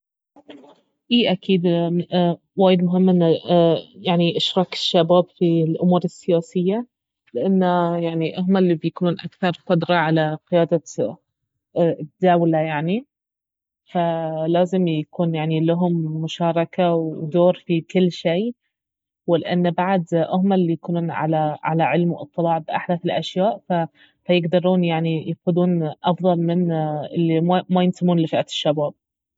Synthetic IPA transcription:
ʔiːʔakiːd̪ | waːjɪd̪mʊɦɪmːʔɪnːajaʕniʔaʃɾˤɑkʃːabaːbfilʔʊmuːɾɪsːɪjaːsɪjːa | lɪʔanːajaʕniʔʊɦmalːibjakuːnuːnʔa̰kθɑɾˤqʊd̪ɾˤɑʕalaqɪjaːd̪a | t̪d̪aːwlajaʕni | falaːzɪmjakuːnjaʕnilaɦʊmːʊʃɑːɾˤɑkawd̪oːɾfikɪlːʃeː | wɪlɪʔanːbaʕd̪ʔʊhmalːijakuːnuːnʕa̰laʕa̰laʕɪlmwɨ̰t̪ˤːɨlɑːʕbɪʔaħd̪aːθɪlʔaʃjaːʔfa | fajɪɡd̪ɑɾˤuːnjaʕnijaxʊd̪uːnʔɑfðˤɑlmɪnʔɪ̰lːimmajɪnt̪ɪmuːnlɪfaʔat̪ɪ̥ʃːabaːb̚

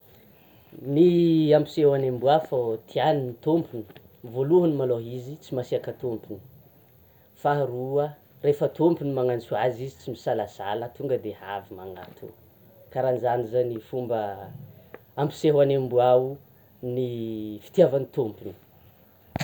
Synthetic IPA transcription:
niampi̥seɦwanembuafot̪ʰianinit̪ompuni̥ | voluɦənimaloɦizit͡simasiakət̪ompuni̥ | faɾuə | refət̪ompunimaŋant͡suazizi̥t͡simisalasalət̪uŋɡəd̪eha̰vimaŋa̰t̪ʰṵ | kaɾanzanizanifumbə | ampi̥seɦwanembuau | nifi̥t̪javanit̪ompuni̥

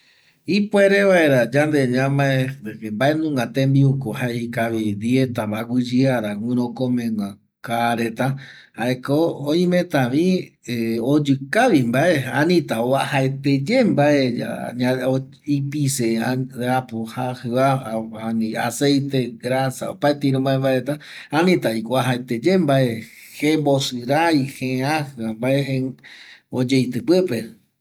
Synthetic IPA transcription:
ipweɾeβaeɾad͡ʒãnd̪eɲãmaeeembaʔenũŋɡat̪ẽmbiukohaikaβid̪iet̪ambaɡʷid͡ʒɨaɾawʷĩɾokõmẽŋʷã | kaɾet̪ahaekooĩmẽt̪aβieod͡ʒɨkaβimbaʔeanĩt̪aoahaet̪ed͡ʒembaʔea̰a | ipiseaapohahɨaanĩa̰sejt̪eɡɾasa̰opaet̪iɾõmbaembaɾet̪aanĩt̪aikʷaɦaet̪ed͡ʒembaʔehebosɨɾaihẽãhɨambaʔehe | od͡ʒejt̪ɨpɨpe

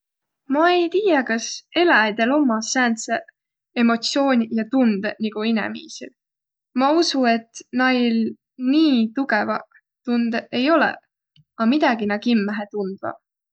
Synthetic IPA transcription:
mɑe̞jt̪iːjɑkɑse̞lɑd̪̥e̞lo̞mːɑsæːnt̪se | e̞mo̞t̪sio̞ːnʲjɑt̪und̪̥niɡ̥uinɛ̰mḭːsḭl | mɑusue̞t̪ˑnɑjl | niːt̪uɡe̞vɑ | t̪und̪̥e̞jo̞lḛ | ɑmid̪̥ɑɡinɑkimːæɦet̪und̪̥vɑ̰

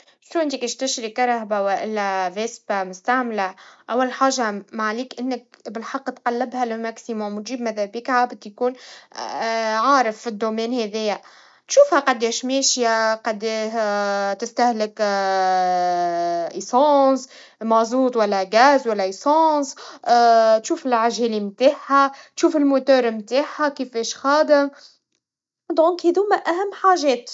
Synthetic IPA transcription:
ʃuʔɪnt̪ikeːʃt̪ɪʃɾikɑɾˤɑhbawaʔɪlːæveːsbamʊst̪aʕmlaʔawːalħaːʒːamaʕliːkʔɪnːɪk̚bɪlħɑqːt̪qɑlːɪbhælɪmæksimʊmt̪ʒiːbmæðæbiːkhabɪt̪jkuːn | ʕɑːɾɪfːid̪ːumɛːnhɛðɛjæ | t̪ʃuːfhæqɑd̪ːɛːʃmɛːʃjaqɑd̪ːɛː | t̪ɪst̪æhlɪk | ʔisɑ̃ːs | mɑzˤuːt̪ˤwælːæɡæːzwælːæʔisɑ̃ːs | t̪ʃuːfɪlʕaʒɛːlimt̪aːħhat̪ʃuːfɪlmot̪œːɾmt̪aːħhækifɛːʃxɑːd̪əm | d̪ɔ̃ːkhiðumæʔæɦæmːħaːʒɛːt̪

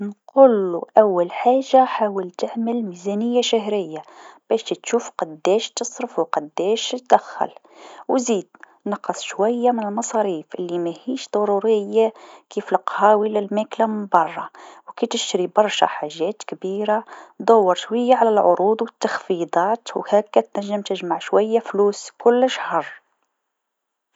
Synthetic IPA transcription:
nqulːuʔæwːælħaːʒːaħaːwəlt̪əʕməlmizænəjːaʃæɦɾəjːab̥æʃt̪it̪ʃuːfqɑd̪ːæʃt̪əsˤɾəfwqɑd̪ːæʃt̪d̪æxːə̰lwziːd̪ | nɑqɑsˤʃwæjːamɪnəlmɑsˤɑɾiːfʔə̰lːimæhiːʃd̪̥ˤɑɾuɾəjːakiflɑqhæwilælmæklæməmbɑrˤːɑwkæt̪əʃɾibɑɾˤʃa̰ħaʒːæːt̪kbiɾad̪ˤɑwːɑɾˤʃwæjːaʕalælʕoɾuːd̪ˤwət̪ːɑxfid̪ˤɑːt̪whækːæt̪næʒːəmt̪əʒmaʕʃwæjːafluːskʊlːəʃhɑɾˤ

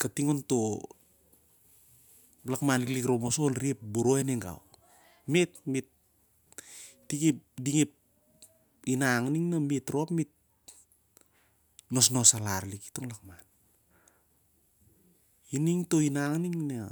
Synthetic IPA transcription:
katiŋonto̞ | lakmaniklikɾo̞mosonɾiep̚buɾoeneŋɡa̰w | metmit | ikipdiŋip̚ | inaŋniŋnamitɾoapmit̚ | no̞sno̞salaɾliki̥toŋlakman | iniŋtoinaŋniŋna

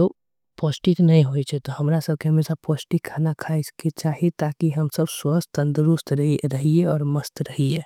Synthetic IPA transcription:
o | pɔːsʈit̪nɐɦĩɦoit͡ʃʰɛt̪oɦɐmɾasɐb̚keɦɐmeːʃapɔːsʈikʰaːnakʰaɪsket͡ʃaːɦiet̪aːkiɦɐmsɐbswəst̪ə̃nd̪ɾʊst̪ɾɐɦieɔːɾmɐst̪ɾɐɦieː

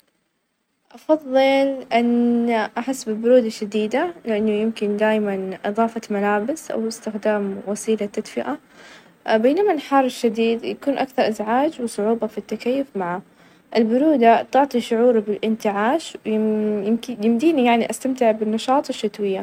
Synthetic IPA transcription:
ʔɑfɑðˤːɨlʔɪnʔaħɪsːbɪlbʊɾuːd̪aʃːad̪iːd̪alɪʔanːʊjɪmkɪnd̪aːjmanʔɨðˤɑːfɑmalaːbɪsʔa̰wɪst̪ɪxd̪aːmwasiːlat̪ːad̪fɪʔa | beːnamalħɑrˤɪʃːad̪iːd̪jakuːnʔakθɑɾˤʔɪzʕaːd͡ʒwɨsˤʊʕuːbɑfit̪ːakajːʊfmaʕa | ʔɪlbʊɾuːd̪at̪ʊʕt̪ˤiʃʊʕuːɾbɪlʔɪnt̪ɪʕaːʃ | jɪmd̪iːnijaʕniʔast̪amt̪ɪʕbɪnːɑʃɑːt̪ˤɪʃːat̪wɪjːa

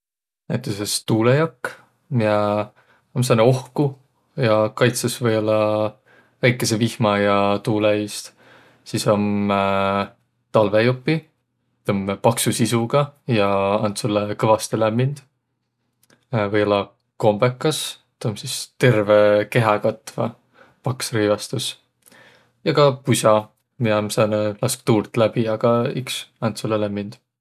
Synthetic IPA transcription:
næjt̪ːˑesest̪uːlejɑkː | mie | oms̬ɑneo̞hku | jɑkɑjt̪sesvɤjolːɑ | væjkˑːe̞se̞vihmɑjɑt̪uːleist̪ | siso̞m | t̪ɑlve̞jopːi | t̪ompɑksusisuɡ̥ɑjɑɑnt̪sulːekɤvɑst̪elæmːind̪̥ | vɤjolɑ | ko̞mb̥e̞kːˑɑs | t̪omsist̪e̞rve̞ke̞ɦɑkɑt̪ːˑvɑ̰ | pɑksrijvɑst̪us | jɑɡɑpusʲɑ | miɑmsɑnlɑsk̚t̪uːrt̪ːˑlæb̥iɑɡ̥ɑyksɑnt̪sulːelæmːind̪̥

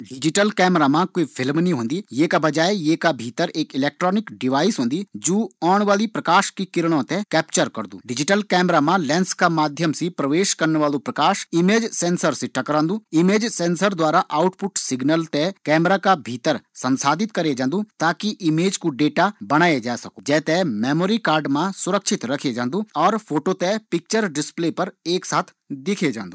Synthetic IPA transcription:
ɖɪd͡ʒɪʈəlkɛːmɾamãkoipʰɪlmnĩɦõːnd̪ijeːkabɐd͡ʒaːejeːkabʱiːt̪əɾeːkɪlɛːk̚ʈɾɔːnɪkɖɪʋaːɪsɦõːnd̪id͡ʒoːaːɳ̃ʋaːlipɾɐkaːʃkikɪɾɽ̃õt̪ẽkɛːp̚t͡ʃəɾkɐɾd̪ṵːɖɪd͡ʒɪʈəlkɛːmɾamãlɛ̃ːnskamaːd̪ʱjəmsipɾɐʋeːʃkɐɾnʋaːlopɾɐkaːʃɪmeːd͡ʒsɛ̃ːnsəɾsɪʈɐkəɾãːnd̪ũːɪmeːd͡ʒsɛ̃ːnsəɾd̪waːɾaʔaːʊʈpʊʈsɪɡnəlt̪ekɛːmɾakabʱiːt̪əɾsɐ̃nsaːd̪ɪt̪kɐɾed͡ʒãːnd̪ut̪aːkiʔɪmeːd͡ʒkuɖeːʈabɐɽ̃aːed͡ʒaːesɐkud͡ʒɛːt̪emɛːmoːɾikaːɾɖmãsʊɾəkʃʰɪt̪ɾɐkʰed͡ʒãːnd̪uɔːɾpʰoːʈot̪epɪk̚t͡ʃəɾɖɪspleːpɐɾeːksaːt̪ʰ | d̪ɪkʰed͡ʒã̰ːnd̪u

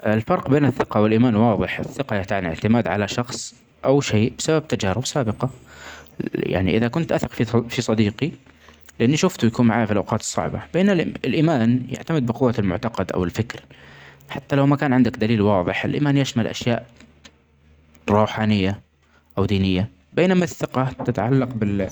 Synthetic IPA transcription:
ʔɪlfɑɾˤqbeːnɪθːɪqɑwɪlʔiːmaːnwɑːðˤɨħɪθːɪqɑjaʕt̪aʕnɪ̰ʕt̪ɪmaːd̪ʕalaʃɑxsˤ | ʔawʃeːbɪ̥sabab̚t̪ad͡ʒaːɾɪbsaːbɪqɑ | ja̰ʕnḭʔɪðakʊnt̪ʔaθɪqfifisˤɑd̪iːqi | lɪʔanːiʃʊft̪ujakuːnmaʕaːjfilʔa̰wqɑːt̪ɨ̥sˤːɑ̰ʕbɑ̰bɪːnɪlɪlʔiːmaːnja̰ʕt̪amɪd̪̚bɪqʊwːalmʊ̰ʕt̪ɑqɑd̪ʔa̰wɪlfɪkɾħat̪ːalawmakaːnʕɪnd̪akd̪aliːlwɑːðˤɨħɪlʔḭːmaːnjaʃmalʔa̰ʃjaːʔ | ɾˤuːħaːnɪjːa | ʔawd̪iːnɪjːa | beːnamaθːɪqɑt̪ɪt̪aʕalːɑqbɪl

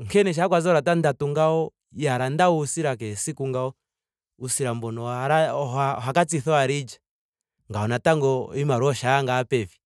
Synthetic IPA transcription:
ŋkɛnɛʃ̬akwazɔɾatandatuŋɡaɔ | jaɾandauusiɾak̬ɛsikuŋɡaɔ | usiɾambɔnɔaɾaɦakat͡siθɔaɾid͡ʒa | ŋɡaɔnataŋɡɔimaɾɔʃaaŋɡaːpɛvi

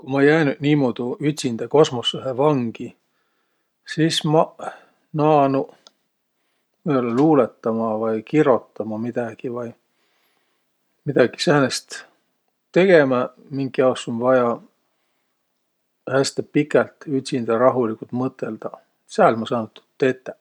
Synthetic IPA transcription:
kumɑejæːnyd̪̥niːmod̪̥uyt̪ʲsind̪̥ɑko̞smosːuɦevɑŋɡ̥i | siːsmɑ | nɑːnu | vɤjolːɑluːlet̪ːɑmɑvɑjkiɾo̞t̪ːɑmɑmid̪̥ɑɡ̥ivɑj | mid̪̥ɑɡ̥i̥sæːnest̪ | t̪e̞ɡ̥e̞mɑ | miŋɡiɑwsonvɑjɑ | hæst̪epikːˑɑlt̪yt̪ʲsind̪̥ɑɾɑɦulikult̪mɤt̪ːˑe̞ld̪̥ɑ | sælmɑsɑːnut̪ːu̥t̪ːet̪ːˑe

